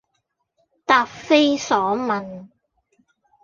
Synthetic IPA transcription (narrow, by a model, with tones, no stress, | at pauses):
t̪aː˧p̚fe˥jsɔː˨˥mɐ˨n